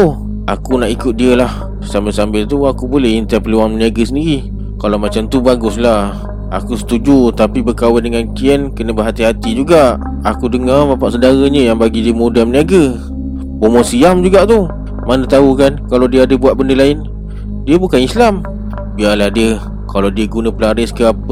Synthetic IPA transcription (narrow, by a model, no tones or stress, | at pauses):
u | akunaʔikʊt̪̚diəlah | sambɪlsambɪlt̪uakubolɛhint̪əpəluwaŋməniaɡəsəndiɾi | kalawmat͡ʃamt̪ubaɡʊslah | a̰kusə̥t̪ud͡ʒut̪apibəkawɪndəŋankiənkənə̃bəɦat̪iɦat̪id͡ʒuɡaʔ | akudəŋarbapaʔsədaɾəɲə̃jaŋbaɡidimodaməniaɡə | bomɔsiamd͡ʒuɡaʔt̪u | manə̃t̪aɦukankalawdiəadəbuat̪̚bəndəlaɪn | diəbukanislam | bialahdiə | kalawdiəɡunə̃pəlaɾɪskəap